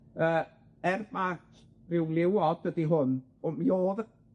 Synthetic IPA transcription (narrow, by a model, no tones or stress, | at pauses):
əː | ɛrmakʰ | rɪwlˠɪwɔdədiɦʊn | ɔmioːðə